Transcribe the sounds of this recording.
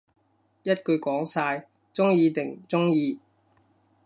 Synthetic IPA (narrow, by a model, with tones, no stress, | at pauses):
jɐ˥t̚kɵ˧ɥkɔː˨˥ŋsaː˧j | t͡sʊ˥ŋjiː˧t̪ɪ˨˩ŋ˨t͡sʊ˥ŋjiː˧